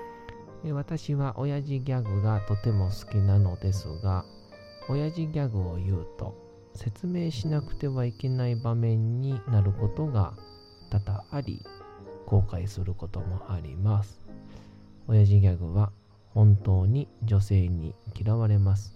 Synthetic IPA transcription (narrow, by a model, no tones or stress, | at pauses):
eβat̪aɕiβaʔo̞jaʑiɡʲaɡɯ̟ɡat̪o̞t̪e̞mo̞sɨ̥kʲinano̞d̪e̞sɨ̰ɡa | o̞jaʑiɡʲaɡɯ̟o̞jɯ̟ːt̪o̞̰ | se̞t͡sɨme̞ːɕinakɯ̟̥t̪e̞βaike̞naibamẽ̞ɲ̟ːinaɾɯ̟ko̞t̪o̞ɡa̰ | t̪at̪aːɾʲḭko̞ːkaisɨɾɯ̟ko̞t̪o̞mo̞ʔaɾʲḭmasɨ̥ | o̞jaʑiɡʲaɡɯ̟β̞a | hõ̞nt̪o̞ːɲ̟id͡ʑo̞se̞ːɲ̟ḭkʲiɾaβaɾe̞masɨ̥